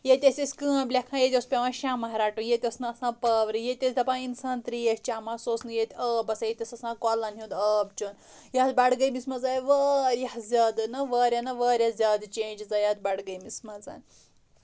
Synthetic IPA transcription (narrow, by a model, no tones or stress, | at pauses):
jet̪ʲesʲesʲkəːblʲakʰãjet̪ʲospʲeʋãʃamɐɦɾaːʈunjet̪ʲɐsnɨɐsãpəʋɾijet̪ʲesʲd̪ɐpãinsaːnt̪ɾijest͡ʃaːmasosnɨjet̪ʲəːbɐsajet̪ʲɐsɐsãkɔlanɦĩd̪əb̚t͡ʃon | jat̪baɽɡəjmismɐd͡zajʋəɾjaɦzʲad̪nɐʋəɾʲjanɐʋəːɾʲjazʲad̪t͡ʃend͡ʒd͡zajat̪̚baɽɡəjmismɐd͡za̰n